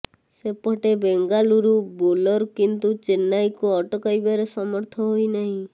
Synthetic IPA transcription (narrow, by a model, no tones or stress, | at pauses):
sepɔʈebeŋɡaluɾubolɔɾkint̪ut͡ʃenːajkuɔʈɔkajbaɾesɔmɔɾt̪ʰɔɦojnaɦĩ